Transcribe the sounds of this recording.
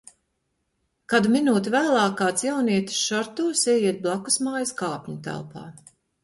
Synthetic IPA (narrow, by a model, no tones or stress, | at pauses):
kad̪uminuːt̪ʲivæːlˠaːkaːt̪sjɛwniɛt̪i̥sʃɔɾt̪uːsiɛjiɛt̪̚blˠaku̥smaːjɐskaːpʲɲut̪æ̰lˠpa̰ː